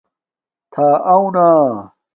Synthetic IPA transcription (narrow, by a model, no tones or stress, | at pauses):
t̪ʰaːʔawna